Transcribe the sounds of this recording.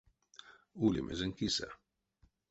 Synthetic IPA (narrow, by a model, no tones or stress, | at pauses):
ulḭmʔḛzəŋkisa̰